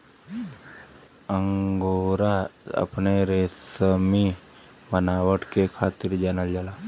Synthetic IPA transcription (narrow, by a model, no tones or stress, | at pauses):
əŋɡoɾaə̰pneɾesəmi | bənaːwəʈkekʰaːt̪iɾd͡ʒanəld͡ʒala